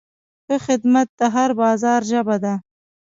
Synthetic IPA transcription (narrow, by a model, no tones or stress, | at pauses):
xəxɪd̪mat̪̚d̪əɦaɾbɑzɑɾʒəbad̪a